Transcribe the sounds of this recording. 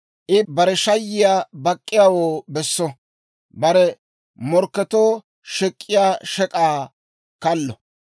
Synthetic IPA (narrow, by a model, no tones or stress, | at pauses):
ʔɪbɐɾɛʃɐjːɪjaːbɐkʼːɪjaːwoːbɛsːɔ | bɐɾɛ | mɔɾkːɛt̪oː | ʃɛkʼːɪjaːʃɛkʼaː | kɐlːɔ